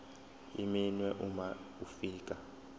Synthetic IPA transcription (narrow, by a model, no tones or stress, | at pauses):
ḭminwɛʔumaufiːkʼa